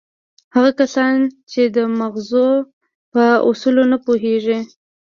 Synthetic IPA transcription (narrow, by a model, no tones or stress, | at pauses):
haɣakasɑnt͡ʃed̪əmaɣzo | pəʊ̰sulonapoɦeʐi